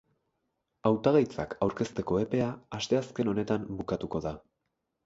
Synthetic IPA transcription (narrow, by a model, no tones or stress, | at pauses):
awt̪aɣajt͡sakʰawɾke̞st̪e̞ko̞e̞pe̞aːst̪e̞aske̞no̞ne̞t̪ambukat̪uko̞ða